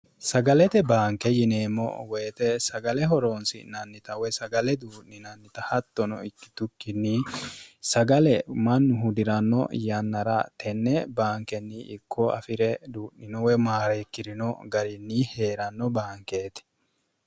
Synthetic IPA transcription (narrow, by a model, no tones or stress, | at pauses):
sɐɡɐlɛt̪ɛbaːŋkɛjɪne̞ːmːɔ̰weːt̪ɛsɐɡɐlɛɦɔɾoːnsɪ̰nɐnːɪt̪ɐwɛsɐɡɐlɛd̪uːʔnɪnɐnːɪt̪ɐhɐt̪ːɔnɔ̰ɪkːɪ̥t̪ʊkːɪnːi | sɐɡɐlɛmɐnːʊɦʊd̪ɪɾɐnːɔ̰jɐnːɐɾɐt̪ʰɛnːɛbaːŋkɛnːɪːkʰːɔɐ̰fɪɾɛd̪uːʔnɪnɔwɛmaːɾeːkːɪɾɪnɔɡɐɾɪnːɪhe̞ːɾɐnːɔbaːŋke̞ːt̪ɛ̥